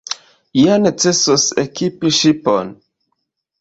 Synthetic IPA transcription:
ijanet͡se̞sosekipiʃipo̰n

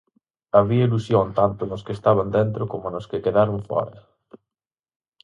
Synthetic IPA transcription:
aβiɐilusjont̪ant̪ʊnʊskest̪aβand̪ent̪ɾokomʊnʊskekeðaɾʊɱfɔ̰ɾɐ̰

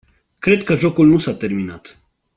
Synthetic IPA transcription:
kɾe̞d̪̚kəʒo̞kulnusat̪e̞rminat̪

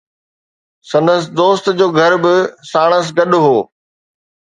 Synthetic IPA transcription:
sɐ̃nd̪əsɪ̆d̪oːst̪d͡ʑoːɡʱɐɾbɪsaːɽ̃əs̬ɡɐɗʊɦoː

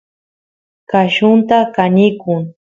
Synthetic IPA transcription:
kaʃʊnt̪akanɪkʊŋ

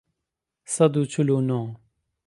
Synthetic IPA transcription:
səd̪uːt͡ʃʰʊloːnɔ̃ː

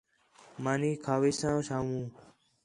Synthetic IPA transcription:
maːniːkʰaːʋiːsãːsaːmũː

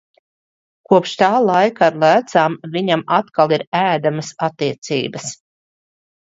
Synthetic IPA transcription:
kuɔpʃt̪aːlˠajkaːɾlˠæːt̪saːmviɲamat̪kalˠiɾæːd̪aməsat̪ːiɛt̪sḭːbəs

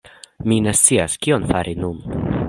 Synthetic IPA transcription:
mine̞stsiaskio̞nfaɾʔinun

